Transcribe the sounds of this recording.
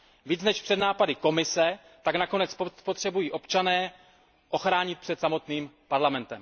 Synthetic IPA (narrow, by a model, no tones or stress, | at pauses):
viːt͡snɛʃpr̝̥ɛdnaːpadɪko̞mɪsɛ | t̪aɡnako̞nɛt͡spopo̞t̪r̥ɛbujiːʔo̞pt͡ʃanɛː | ʔo̞xɾaːɲɪt̪̚pr̥ɛt̪samo̞t̪niːmpaɾlamɛnt̪ɛm